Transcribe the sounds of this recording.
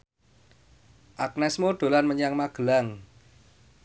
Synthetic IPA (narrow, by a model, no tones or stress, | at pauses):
ʔak̚nɛsmoɖ̪̥o̤lanməɲaŋmaɡ̥ə̤laŋ